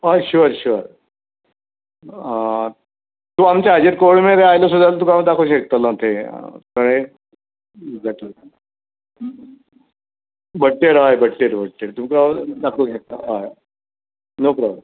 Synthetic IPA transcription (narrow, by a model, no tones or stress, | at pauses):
ɦajɕuəɾɕuəɾ | t̪uamt͡ɕaad͡ʑeɾkoɽmeɾeajlosud̪alt̪̬ũkaʋd̪akʰoɕek̚t̪alãt̪ʰekəɽ̃e | eɡd͡zaʈli | bʱəʈʈːeɾɦajbəɽʈːeɾbʱəʈʈːeɾt̪umkad̪akʰoɕek̚t̪aɦaj | nopɾablm